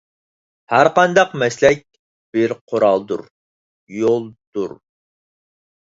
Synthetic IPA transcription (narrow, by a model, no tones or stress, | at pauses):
hæɾqɑnd̪ɑqmɛslɛk̚ʲ | b̥ɪɾqʰʊɾɑlˠd̪ṵɾ | jolˠd̪̥uɾ